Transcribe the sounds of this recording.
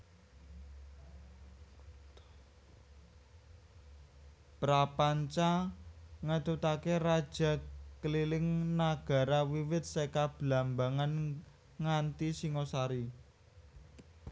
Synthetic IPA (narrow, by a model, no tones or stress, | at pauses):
pɾapaɲt͡ʃa | ŋət̪ut̪akerad̥ʒ̥ä̤kəlilɪŋnaɡ̥a̤ɾawiwɪt̪̚sekab̥lambaŋan | ŋant̪isiŋosaɾi